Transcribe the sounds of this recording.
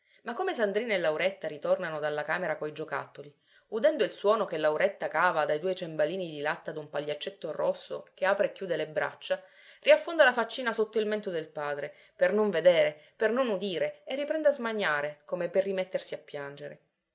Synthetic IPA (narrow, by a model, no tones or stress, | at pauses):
makːomesand̪ɾiːnaelːawɾɛt̪ːaɾit̪ornanod̪alːakaːmeɾakojd͡ʒoka̰t̪ːoli | ud̪ɛnd̪oilswɔːnokelːawɾɛt̪ːakaːvad̪ajd̪uːet͡ʃembaliːnid̪ilat̪ːad̪umpaʎːat͡ʃːet̪ːorosːo̰keaːpɾeːkːjuːd̪elebɾa̰t͡ʃːa | riafːond̪alafat͡ʃːiːnasot̪ːoilmɛnt̪od̪elpaːd̪ɾe | pernoɱved̪eːɾepernonud̪iːɾeerːipɾɛnd̪azmaɲːaːɾekomeperːimet̪ːersiapːjand͡ʒeɾe